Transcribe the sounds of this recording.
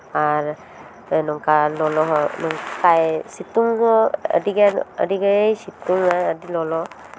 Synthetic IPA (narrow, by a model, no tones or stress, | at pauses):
aɾ | nɔŋkalɔlɔɦɔnɔŋkajsituŋhɔə̰diɡaə̰diɡejsituŋaədilɔlɔ